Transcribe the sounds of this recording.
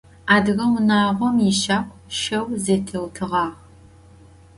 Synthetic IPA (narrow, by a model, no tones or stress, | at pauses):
aːdɨɣɐwʊnaːʁʷɔmjiʃaːkʷʰʼʃɐwzeːtʰɨwtʰɨʁɑːʁ